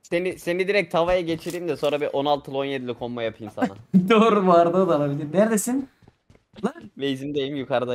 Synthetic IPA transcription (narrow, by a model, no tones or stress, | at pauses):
senisenid̪iɾɛc̚t̪ʰavajaɟet͡ʃʰiɾiimd̪ɛso̞nɾabiʔo̞nalˠt̪ʰɯlˠo̞njed̪ilʲikʰo̞mmajapʰɯjɯmsa̰ad̪oːɾubaɾd̪ad̪alˠabilʲiɾnæɾd̪esin | lavɛizimd̪ejimjukʰaɾd̪a